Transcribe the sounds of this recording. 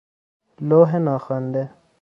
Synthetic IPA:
loːɦenaːxaːnd̪e

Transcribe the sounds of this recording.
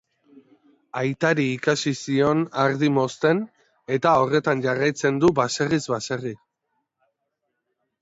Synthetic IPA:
ajt̪aɾiːkasisio̞naɾðimo̞st̪e̞n | e̞t̪ao̞re̞t̪anʝarajt͡se̞nd̪ubase̞rizβase̞ri

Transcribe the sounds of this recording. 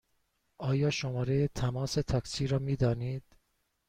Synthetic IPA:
ʔɒːjɒːʃomɒːɾejet̪ʰæmɒːse̞t̪ʰɒːksiːɾɒːmiːd̪ɒːniːd̪̥̚

